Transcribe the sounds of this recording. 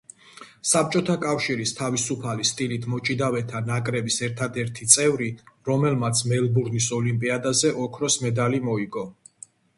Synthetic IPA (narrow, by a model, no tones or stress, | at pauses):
sap̚t͡ʃʼɔt̪ʰakʼafʃiɾist̪ʰavisupʰalist̪ʼilit̪ʰmɔt͡ʃʼid̪avɛt̪ʰanakʼɾɛbisɛɾt̪ʰad̪ɛɾt̪ʰit̪sʼɛvɾiɾɔmɛlmat̪sʰmɛlˠbuɾnisɔlimpʼiad̪azɛʔɔkʰɾɔsmɛd̪alimɔiɡɔ